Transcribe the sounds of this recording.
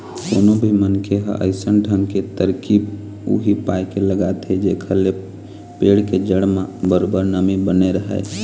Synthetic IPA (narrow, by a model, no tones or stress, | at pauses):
koːnobʱimənkʰeɦə̰ʔə̰ɪsənʈʰənket̪əɾkib | ṵɦipajkeləɡat̪ed͡ʒekʰəle | peːɽked͡ʒəɽmãbəɾobəɾnəmibəneɾəɦɛ̰